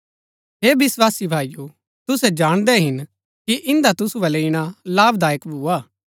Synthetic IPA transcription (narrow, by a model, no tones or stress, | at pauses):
ɦeːbɪswaːsibʱaːiju | t̪ʊsɛd͡ʒaːɽ̃d̪ɛɦɪn | kiʔɪ̃nd̪at̪ʊsuʋɛleːɪɽ̃alaːbd̪aːjəkbʱuaː